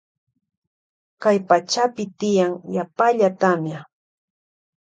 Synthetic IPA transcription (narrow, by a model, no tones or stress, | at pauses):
kajpat͡ʃapɪt̪ɪjaŋjapaʎat̪amja